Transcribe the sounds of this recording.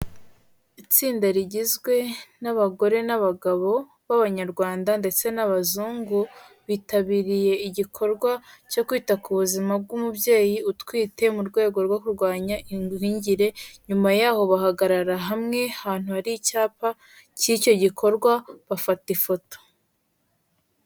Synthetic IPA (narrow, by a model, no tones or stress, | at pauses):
it͡siːndaɾiɟizɡwe̞naβaɡo̞ɾe̞naβaɡaβo̞ | βaβaɲaɾɡwaːndande̞t͡se̞naβazuːŋɡu | βitaβiɾije̞iɟikʰo̞ɾɡwaco̞kwiːtakuβuzimabɡumubje̞ːjiutkwiːte̞muɾɡwe̞ːɡo̞ɾɡwokuɾɡwaːɲaʔiiːɲɟiɾe̞ɲumajaːho̞βaɦaɡaɾaɾaɦamŋe̞haːn̥uhaɾiːcaːpa | cico̞ɟikʰo̞ɾɡwaβafatifo̞to̥